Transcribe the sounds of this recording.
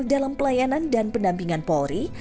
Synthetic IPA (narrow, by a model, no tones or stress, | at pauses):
ldalampəlajanandanpəndampiŋanpɔɾi